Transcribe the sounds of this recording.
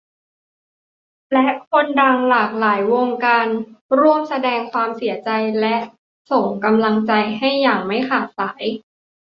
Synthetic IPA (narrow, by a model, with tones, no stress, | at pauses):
lɛ˦˥ʔkʰo˧ndaː˧ŋlaː˨˩k̚laː˩˦jwo˧ŋkaː˧nɾu˥˩əmsa˧dɛː˧ŋkʰwaː˧msi˨˩˦ɐt͡ɕa˧jlɛ˦˥ʔ | so˨˩ŋka˧mla˧ŋt͡ɕa˧jɦa˥˩jːaː˨˩ŋma˥˩jkʰaː˨˩t̪̚saː˩˦j